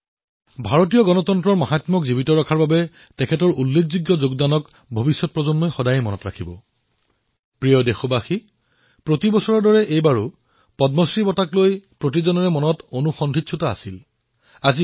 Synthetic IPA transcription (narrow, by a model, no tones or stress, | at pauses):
bʱaɹotijɔɡɔnɔtɔntɹɔɹmaɦatmɔkzibitɔɹakʰaɹbabɛ | tɛkʰɛtɔɹulːek̚ʰzuɡjɔzoɡdanɔk | bʱɔbisːɔt̚pɹɔzɔnmɔjxɔdajɛmɔnɔtɹakʰibɔ̰ | pɹijɔdexɔbaxi | pɹotibɔsɔɹɔdɔɹɛʔejbaɹu | pɔdmɔsɹibɔtaklojpɹotizɔnɔɹɛmɔnɔtonuxɔndʱitsʰutaa̰sil | azi